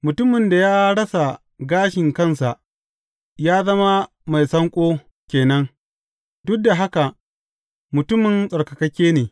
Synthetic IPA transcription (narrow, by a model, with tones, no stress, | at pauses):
mʊ˨tʊ˦mɪ˨nda˨jaː˦ɽɐ˦sa˨ | ɡaː˦ʃɪ˨ŋkɐ˦nsa˨ʔ | jaː˦zɐ˦ma˦ | ma˨jsɐ˦ŋkʷʼoː˦ | kʲeː˨nɐ˦ŋ | dʊ˦k̚da˨ɦa˦ka˨ʔ | mʊ˨tʊ˦mɪ˨nsʼɐ˨ɽkɐ˨kɐ˦kʲeː˦neː˨